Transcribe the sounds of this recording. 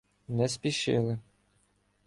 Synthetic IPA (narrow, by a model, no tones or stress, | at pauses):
nɛspʲiʃɪ̰lˠɪ